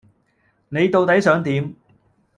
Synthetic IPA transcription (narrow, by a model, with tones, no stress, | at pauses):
ne˨˧jt̪o˨˧wt̪ɐ˨˥jsœː˨˧ŋt̪iː˨˥m